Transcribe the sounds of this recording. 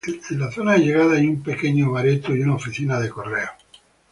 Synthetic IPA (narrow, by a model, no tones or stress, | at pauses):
ed̪elaθo̞naeʎe̞ɣaðajumpe̞keɲoβaɾet̪uiunaofiθinaðeko̞reo